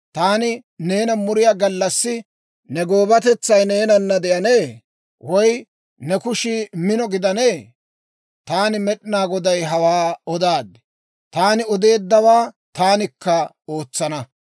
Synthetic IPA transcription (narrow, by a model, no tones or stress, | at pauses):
t̪aːnɪne̞ːnɐmʊɾɪjaːɡɐlːɐsːɪ | nɛɡo̞ːbɐt̪ɛt͡sːɐjne̞ːnɐnːɐd̪ɛʔɐne̞ː | wɔj | nɛkʊʃiːmɪnɔɡɪd̪ɐne̞ː | t̪aːnɪmɛɗɪnaːɡɔd̪ɐjɦɐwaːɔd̪aːd̪ɛ̥ | t̪aːnɪɔd̪e̞ːd̪ːɐwaː | t̪aːnɪkːɐ | o̞ːt͡sːɐnɐ